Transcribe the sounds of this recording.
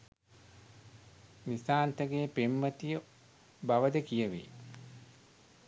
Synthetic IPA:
nisaːnt̪əɡeːpemːət̪ijə | baʋəd̪əkijəʋḛ

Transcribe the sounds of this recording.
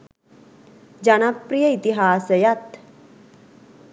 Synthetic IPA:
d͡ʒɐnɐpːɾijɐit̪iɦaːsəjat̪

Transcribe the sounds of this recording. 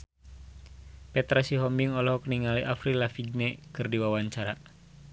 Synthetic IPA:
pɛt̪ɾasiɦɔmbiŋɔlɔɦɔkniŋaliʔafɾilafiɡ̚nɛkɨrdiwawaɲt͡ʃaɾa

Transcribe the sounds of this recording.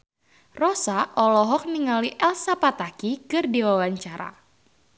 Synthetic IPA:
rɔsaʔɔlɔɦɔk̚niŋaliʔɛlsapat̪akikɨrdiwawaɲt͡ʃaɾa̰

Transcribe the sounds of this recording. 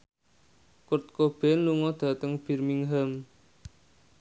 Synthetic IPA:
kʊrt̪̚kob̥ɛnluŋɔd̪̥a̤t̪əŋb̥i̤rmiŋɦəm

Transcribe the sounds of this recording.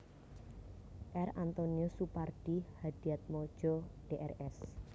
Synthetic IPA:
ʔɛrant̪oniɔsuparɖ̥ihad̪̥iat̪̚mɔ̥ʒ̥ɔɖ̥eʔɛrɛs

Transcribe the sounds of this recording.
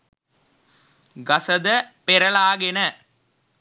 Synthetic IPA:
ɡɐsɐðɐpɛɾɐɭaːɣɪnɐ

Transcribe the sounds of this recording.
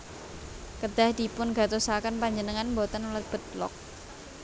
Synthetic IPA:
kəd̥a̤hd̪̥i̤pʊnɡa̤t̪osakənpaɲd͡ʒənəŋanmbot̪ənulət̪̚b̥ə̤t̪̚lɔ̰k̚

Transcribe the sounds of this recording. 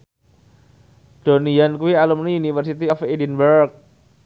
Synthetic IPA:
d̥onijankuwialumniunifərsit̪iɔfidinbəɾrk̚

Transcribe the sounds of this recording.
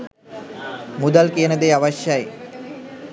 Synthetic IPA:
mud̪alkiənəd̪eːaʋaɕjaje

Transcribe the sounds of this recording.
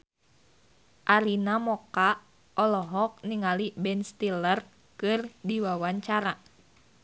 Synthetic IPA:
ʔaɾinamɔka | ʔɔlɔɦɔk̚niŋalibɛnst̪ilər | kɨrdiwawaɲt͡ʃaɾa

